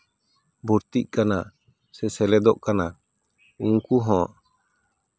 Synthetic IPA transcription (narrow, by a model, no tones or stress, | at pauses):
buɾt̪ic̚ˀkana | sɛsɛlɛd̪ɔʔkana | uŋkuɦɔ̃ʔ